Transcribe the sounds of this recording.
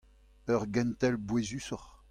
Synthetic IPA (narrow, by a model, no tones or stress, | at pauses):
œʁɡɛ̃nt̪ɛlbwezysɔʁ